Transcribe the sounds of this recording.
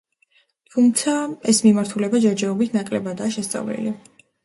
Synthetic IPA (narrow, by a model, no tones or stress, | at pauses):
t̪ʰumt̪sʰaɛsmimaɾt̪ʰulɛbad͡ʒɛɾd͡ʒɛɔbit̪ʰnakʼlɛbad̪aːʃɛst̪sʼa̰vlḭli